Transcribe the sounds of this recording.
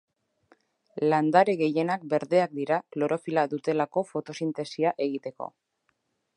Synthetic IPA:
land̪aɾeɣe̞je̞nak̚be̞ɾðe̞ak̚d̪iɾaklo̞ɾo̞filaðut̪e̞lako̞fo̞t̪o̞sint̪e̞siaʔe̞ɣ̞it̪e̞ko̞̰

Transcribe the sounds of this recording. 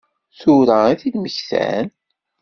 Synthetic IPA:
θuɾaiθid̪məçθæ̰n

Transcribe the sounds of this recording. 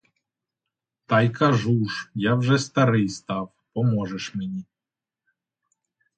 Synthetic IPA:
t̪ajkʰaʐuʂjavʐɛst̪aɾɨjst̪af | pɔmɔʐɛʂmʲnʲi

